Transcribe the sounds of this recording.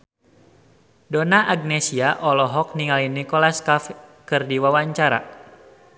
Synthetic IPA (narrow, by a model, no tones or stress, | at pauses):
dɔnaʔaɡ̚nɛsiaʔɔlɔɦɔk̚niŋalinikɔlaskafkɨrdiwawaɲt͡ʃaɾa̰